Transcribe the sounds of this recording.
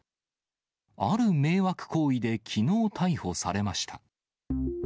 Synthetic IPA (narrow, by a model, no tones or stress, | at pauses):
aɾɯ̟me̞ːβakɯ̟̥ko̞ːid̪e̞kʲʰino̞ːt̪ʰaiho̞sa̰ɾe̞maɕi̥t̪ʰa